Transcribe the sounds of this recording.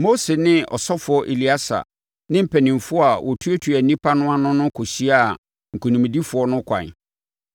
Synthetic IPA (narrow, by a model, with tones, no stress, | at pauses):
mo˦se˨nɪ̃˦ɔ̰˨sɔ˦fʊ˨˦ɔ˦ʔe˨li˨a˦sa̰˨ | nɪ̃˦m̩˨pʰɛ˨nɪ̃˨mfʊ˦a˨wʔɔ˨tʰu˦e˦tʰu˨æ˨nĩ˦pʰa˦nʊ̃˦a˦nʊ̃˦nʊ̃˦kʰɔ˨ɕi˦a˦˨ | ŋ̩˨kʰu˨nĩ˨m˨di˦fʊ˨ɔ˦nʊ̃˦kʷʰã̰˨n˨